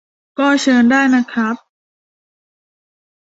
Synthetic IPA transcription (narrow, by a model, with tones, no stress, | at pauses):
kɔː˥˩t͡ɕʰɤː˧ndaː˥˩jna˦˥kʰɾa˦˥p̚